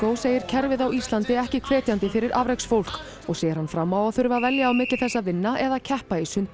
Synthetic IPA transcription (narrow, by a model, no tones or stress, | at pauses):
owseːjɪɾ̥cʰɛɾvɪðawist̪lant̪ɪɛhcɪkʰv̥ɛːt̪jant̪ɪfɪɾɪɾʔavɾejksfowl̥k | ɔɣseːjɪɾhanfɾamːawaðθʏɾvavɛljaːwmɪːt̪lɪθɛsːavɪnːaʔɛðacʰɛhpaisʏnt̪